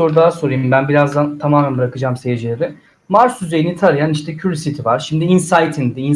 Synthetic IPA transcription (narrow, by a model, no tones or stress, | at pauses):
o̞ɾd̪aɦso̞ɾujimbænbiɾazd̪ant̪ʰamaːmænbɯɾakɯd͡ʒaːmse̞jed͡ʒilʲe̞ɾɛ | maɾsyzejinit̪ʰaɾɯjaniʃt̪ʰɛcʰyɾsit̪ʰivaɾʃimd̪iinsajt̪ʰind̪iin